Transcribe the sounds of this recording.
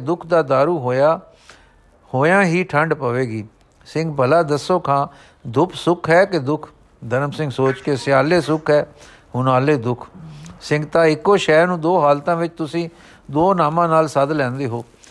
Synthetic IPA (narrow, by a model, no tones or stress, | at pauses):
d̪ʊkʰd̪aːd̪aːɾuːɦoːjaː | hoːjãːɦiːʈʰəɳɖpəʋeːɡiː | sɪŋɡbəlaːd̪əsːoːkʰãː | d̪ʊpʰsʊkʰɦɛːkɪd̪ʊkʰ | d̪əɾəmsɪ̃ŋɡsoːt͡ʃkeːsɪaːleːsʊkʰɦɛː | ɦʊnaːleːd̪ʊkʰsɪ̃ŋɡt̪ãːɪkːoːʃɛːɾnũːd̪oːɦaːlt̪ãːʋɪt͡ʃt̪ʊsĩː | d̪oːnaːmãːnaːlsəd̪lɛ̃ːnd̪eːɦoː